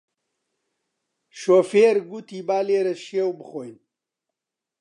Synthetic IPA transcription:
ʃoːfeːɾɡut̪ʰiːbaːleːɾɐʃewbɨxojn

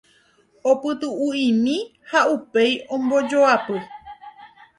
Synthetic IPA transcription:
opɨt̪uuĩmĩ | haupejõmbo̞d͡ʒoapɨ

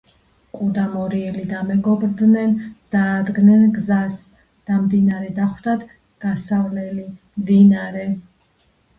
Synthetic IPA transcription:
kʼud̪amɔɾiɛlid̪amɛɡɔbɾd̪nɛnd̪̥aːd̪ɡnɛnɡzas | d̪̥amd̪inaɾɛd̪aχwd̪ad̪ | ɡ̥asavlɛlimd̪inaɾɛ

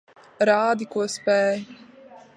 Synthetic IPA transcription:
ɾaːd̪ikuspɛːj

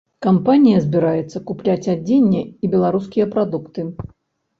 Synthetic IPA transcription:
kampanʲijɐzʲbʲiɾajɛt̪sːɐkuplʲat͡sʲad͡zʲenʲːɛibʲɛlˠaɾuskʲijɐpɾad̪ukt̪ɨ

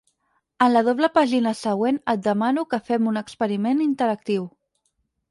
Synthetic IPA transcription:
ənləð̞oβləpaʒinəsəɣwenət̪̚d̪əmanukəfɛmunəkspəɾimenint̪əɾək̚t̪iw

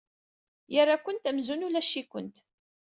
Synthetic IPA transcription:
jərːakʷənt̪æmzunulæʃːikʷə̰nt̪

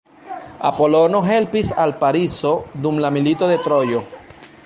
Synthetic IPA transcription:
a̰po̞lo̞no̞ɦe̞lpisalpaɾiso̞dumlamilito̞de̞tɾo̞jo̞

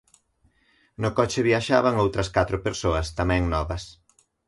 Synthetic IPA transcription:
nʊkɔt͡ʃɪβiaʃaβɐŋowt̪ɾɐskat̪ɾʊpeɾsoɐst̪amɛ̃ŋnɔβɐs

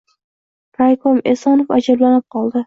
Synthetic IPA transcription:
kʰajkʰomesɒnofad͡ʒablanɪp̚qʰɒlˠd̪ɪ

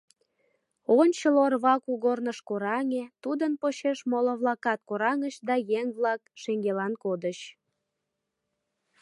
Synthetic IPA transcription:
onʲt͡ɕəlorβɑkuɣornəʃkoɾɑŋet̪ud̪ənpoɕeʃmoloβlɑkɑt̪̚koɾɑŋəɕd̪ɑjeŋβlɑkʃeŋɡelɑnkod̪ət͡ɕ

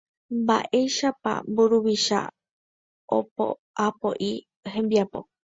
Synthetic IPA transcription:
mba̰ʔe̞ʃapa̰mbuɾuβiʃa̰ | o̰po̰ | apoʔi | hẽ̞mbiapo̞̰

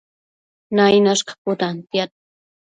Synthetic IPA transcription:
najnaʃqɑ̥pʊt̪ant̪jat̪̚

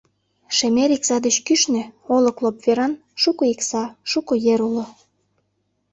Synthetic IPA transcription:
ʃemeɾiksɑd̪ət͡ɕkyʃnĕoləklopveɾɑn | ʃukoiksɑʃukojeɾulo

